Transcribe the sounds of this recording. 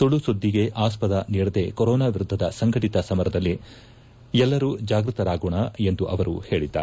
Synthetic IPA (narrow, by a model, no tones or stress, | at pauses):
soɭusod̪ʱːiɡe̞ʔaːspɐd̪ɐniːɾɐd̪e̞koɾɔːnaːʋiɾud̪ʱːɐd̪ɐsɐŋɡɐʈit̪ɐsɐmɐɾɐd̪ɐlːi | ɛlːɐɾuːd͡ʒaːɡɾut̪ɐɾaːɡuːɳɐe̞nd̪uʔɐʋɐɾṵhe̞ːɭid̪ːa̰ːɾe